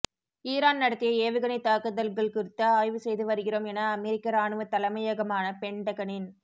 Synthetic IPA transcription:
iːɾaːnnɐɽɐt̪ːɪjɐeːʋɪɣɐnɐɪt̪aːkɯðɐlɡɐɭkʊɾɪt̪ːɐaːjʋɯsɛjðɯʋɐɾɯɣɪroːmɛnɐːmɛɾɪkːɐɾaːnɯʋɐt̪ːɐlɐmɐjɐɣɐmaːnɐpɛɳɖɐɣɐɳɪn

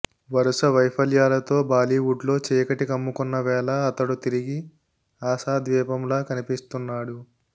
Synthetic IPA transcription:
ʋɐɾusɐʋɐjpʰɐljaːlɐt̪o̞ːbaːliuɖlo̞ːt͡ʃɛːkɐʈikɐmːukunːɐʋɛːlɐːt̪ɐɽut̪iɾiɡi | aːsaːd̪ʋɛːpɐmlaːkɐnipist̪unːaːɽu

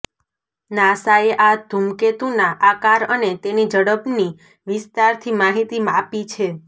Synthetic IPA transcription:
nasaeʔad̪ʱumket̪unaʔakaɾənet̪enid͡ʒəɽəbni | ʋɪst̪aɾt̪ʰimaɦit̪imaapit͡ʃʰe

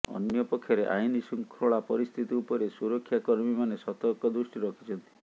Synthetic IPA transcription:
ɔ̰njɔpɔkʰːjɔɾeʔa̰inisuŋkʰɾoɭapɔɾist̪ʰit̪iupɔɾesuɾɔkʰːjakɔɾmimanesɔt̪ɔɾkɔd̪ɾusʈiɾɔkʰi̥t͡ʃʰɔnt̪i̥

